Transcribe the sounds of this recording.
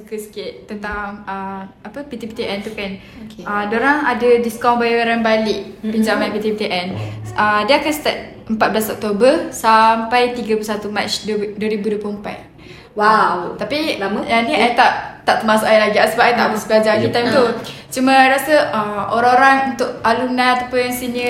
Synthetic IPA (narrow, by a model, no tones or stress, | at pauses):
sukəsə̥kɪʔ̪t̪ːənt̪aŋəapəpit̪ipi̥t̪eʔɛnt̪ukan | əmdoɾaŋadədiskãw̃bajaɾanbalɪʔpiɲd͡ʒamãnpit̪ipit̪iʔɛnʔədiəakanst̪a̰t̪̚ | əmpat̪̚bəlasɔk̚t̪obəsampajt̪iɡəplusat̪umat͡ʃddəɾibuduəplumpa̰t̪̚ | wat̪apidaniajt̪aʔt̪aʔt̪əmasaʔailaɡiasəbapʔajt̪aʔbəsbəlad͡ʒakit̪ajmt̪u | t͡ʃumaajɾasəəoɾãoɾaŋunt̪ʊʔalumnanat̪apəaŋsinə